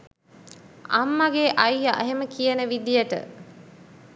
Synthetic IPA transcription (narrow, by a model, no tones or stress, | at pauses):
amːɐɡeːʔɐjːaʔːɦeməkijənəʋid̪ijəʈə̰